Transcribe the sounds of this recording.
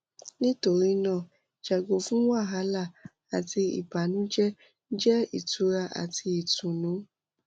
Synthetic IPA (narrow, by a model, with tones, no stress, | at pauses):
nĩ˦to˧ɾi˦nã˦˨ | d͡ʒa˨ɡo˨fũ˦wa˦˨ɦa˨˦la˦˨ | a˨ti˧ḭ˨pa˨nũ˨˦d͡ʒɛ˦ | d͡ʒɛ˦ḭ˨tu˨˦ɾa˧ʔa̰˨ti˧i˨tũ˨nũ˨˦